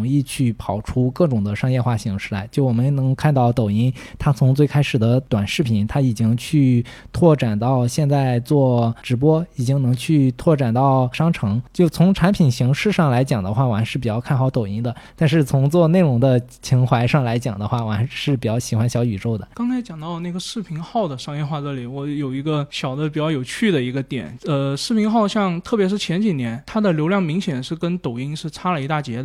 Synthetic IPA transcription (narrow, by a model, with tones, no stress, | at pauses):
ŋi˥˧t͡ɕʰy˥˩pʰɑ˨˩ʊʈ͡ʂʰu˥kɤ˥˩ʈ͡ʂʊ˨˩ŋd̪ə˦ʂɑ˥ŋjɛ˥˧xwa˥˩ɕi˧˥ŋʂɻ̩˥˩la̰˧˥ɪt͡ɕjo˥˩ʊwɔ˨˩mə˦nnɤ˧˥ŋkʰa˥˧nt̪ɑ˥˩ʊt̪o˨˩ʊi˥nt̪ʰa˥t͡sʰʊ˧˥ŋt͡swe˥˩ɪkʰa˥ɪʂɻ̩˨˩d̪ə˦t̪wa˨˩nʂɻ̩˥˩pʰi˨˩˦nt̪ʰa˥i˨˩t͡ɕi˥ŋt͡ɕʰy˥˧t̪ʰwɔ˥˩ʈ͡ʂa˨˩nt̪ɑ˥˧ʊɕjɛ˥˧nt͡sa˥˧ɪt͡swɔ˥˩ʈ͡ʂɻ̩˧˥pwɔ˥i˨˩t͡ɕi˥ŋnɤ˧˥ŋt͡ɕʰy˥˧t̪ʰwɔ˥˩ʈ͡ʂa˨˩nt̪ɑ˥˩ʊʂɑ˥ŋʈ͡ʂʰɤ˧˥ŋt͡ɕjo˥˩ʊt͡sʰʊ˧˥ŋʈ͡ʂʰa˧˥npʰi˨˩nɕi˧˥ŋʂɻ̩˥˧ʂɑ˥˩ŋla˧˥ɪt͡ɕjɑ˨˩ŋd̪ə˦xwa˥˩wa˧˥ʂɻ̩˥˩pi˨˩jɑ˥˧ʊkʰa˥˩nxɑ˧˥ʊt̪o˨˩ʊi˧˥nd̪ə˧t̪a˥˧nʂ̬ɻ̩˥˩t͡sʰʊ˧˥ŋt͡swɔ˥˧ne˥˩ɪlʊ˧˥ŋd̪ə˧t͡ɕʰi˧˥ŋxwa˧˥ɪʂɑ˥˩ŋla˧˥ɪt͡ɕjɑ˨˩ŋd̪ə˦xwa˥˩wa˧˥ʂɻ̩˥˩p̬i˨˩t͡ɕjɑ˥˩ʊɕi˨˩xwa˥nɕjɑ˧˥ʊy˨˩ʈ͡ʂo˥˩ʊd̪ə̰˩kɑ˥ŋt͡sʰa˧˥ɪt͡ɕjɑ˨˩ŋt̪ɑ˥˧ʊna˥˩ɡə˩ʂɻ̩˥˩pʰi˧˥ŋxɑ˥˩ʊd̪ə˩ʂɑ˥ŋjɛ˥˧nxwa˥˧ʈ͡ʂɤ˥˩li˨˩wɔ˧˥jo˨˩ʊi˧˥ɡə˧ɕjɑ˨˩ʊd̪ə˦p̬i˨˩t͡ɕjɑ˥˩ʊjo˨˩ʊt͡ɕʰy˥˩d̪ə˩i˧˥ɡə˧t̪jɛ̰˨˩˦nə˧ʂɻ̩˥˩pʰi˧˥ŋxɑ˥˧ʊɕjɑ˥˧ŋt̪ʰɤ˥˩pjɛ˧˥ʂɻ̩˥˩t͡ɕʰjɛ˧˥nt͡ɕi˨˩njɛ˧˥nt̪ʰa˥d̪ə˨ljo˧˥ʊljɑ˥˩ŋmi˧˥ŋɕjɛ˨˩nʂɻ̩˥˩kə˥nt̪o˨˩ʊi˥ŋʂɻ̩˥˩ʈ͡ʂʰa˥lə˨i˧˥t̪a˥˩t͡ɕjɛ˧˥d̪